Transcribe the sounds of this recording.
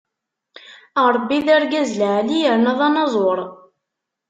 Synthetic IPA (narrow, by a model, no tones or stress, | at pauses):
əɾˤbːiðaɾɡæzlʕlijəɾnæðˤɑnɑzˤoɾˤ